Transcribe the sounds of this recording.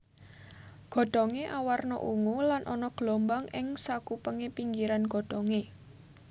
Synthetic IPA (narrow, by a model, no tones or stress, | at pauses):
ɡ̥ɔ̤ɖ̥ɔŋeʔawarnɔ̰ʔuŋulanʔɔnɔɡ̥lombaŋɪŋsakupəŋepiŋɡiɾanɡ̥ɔ̤ɖ̥ɔŋe